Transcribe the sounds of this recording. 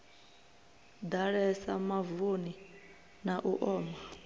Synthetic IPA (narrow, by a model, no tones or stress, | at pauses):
d̪aɺɛsamavoni | naʔuʔɔːma